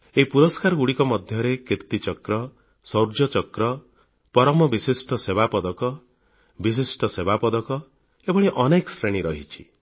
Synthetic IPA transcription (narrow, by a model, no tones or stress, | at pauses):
eipuɾɔskaɾɔɡuɽikɔmɔd̪ʱjɔɾekiɾt̪it͡ʃɔkɾɔ | sɔwɾd͡ʒɔt͡ʃɔkɾɔ | pɔɾɔmɔbisisʈɔsebapɔd̪ɔkɔ | bis̬isʈɔsebapɔd̪ɔkɔ | ebɔɽ̃eʔɔnekɔsɾeɽ̃iɾɔɦit͡ʃʰi̥